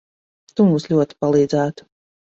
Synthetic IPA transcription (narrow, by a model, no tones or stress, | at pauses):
t̪umuːslʲuɔt̪i̥palˠiːd̪zæːt̪u̥